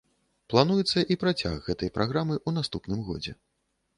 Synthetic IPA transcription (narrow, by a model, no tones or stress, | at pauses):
plˠanujɛt̪sːɐʔipɾat͡sʲa̰ɣːɛt̪ɐjpɾʔaɣɾamɨʔun̪ast̪upnɨmɣɔ̰d͡zʲɛ̰